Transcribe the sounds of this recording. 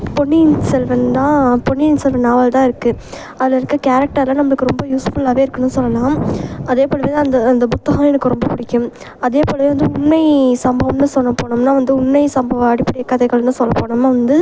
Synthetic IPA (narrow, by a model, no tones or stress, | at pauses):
pɔɳːinsɛlʋɐnd̪ãːpɔɳːiɪnsɛlʋɐnːaːʋɐlt̪ãːɪɾɯkːɯ | ɐðɪlɐɪɾɯkːɯkaːɾɛk̚ʈɐɾlɐnɐmːɐɭɯkːɯɾɔmbɐjuːsfʊlaːʋeːɪɾɯkːɐnːɯsɔlːɐlãːmɐðeːpoːɭɐʋiðɐnd̪ɐːnd̪ɐbʊt̪ːɐɣɐɛnɯkːɯɾɔmbɐpʊɽɪkʲːɯm | ɐðeːpoːɭɐʋʋɐnd̪ɯʊɳmɐɪsɐmbɐʋɐmnɯsɔnːɐpːoːɳɐmnaːʋɐnd̪ɯʊɳmɐɪsɐmbɐʋɐɐɽɪpːɐɽɪjɐkːɐðɐɪɣɐɭnːɯsɔlːɐpoːɳɐmnːaːʋɐnd̪ɯ